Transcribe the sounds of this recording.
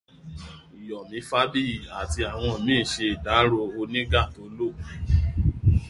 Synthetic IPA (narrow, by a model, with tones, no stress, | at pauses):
i˨jɔ˨mĩ˨˦fa˦bi˦˨a˨ti˧a˨w̃ɔ̃˧˨mĩː˦˨ʃe˧i˨da˨˦ɾo˧o˧nĩ˦ɡa˦˨to˨˦lo˦˨